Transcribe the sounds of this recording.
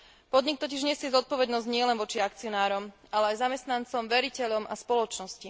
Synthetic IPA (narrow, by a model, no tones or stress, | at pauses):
pɔd̪ɲik̚t̪ɔciʒɲɪɛsɪɛzɔt̪̚pɔʋɛd̪nɔzɟɲɪɛlɛnʋɔt͡ʃiakt͡siɔnaːɾɔmalɛajzamɛst̪nant͡sɔmʋɛɾicɛʎɔmʔaspɔlɔt͡ʃnɔsci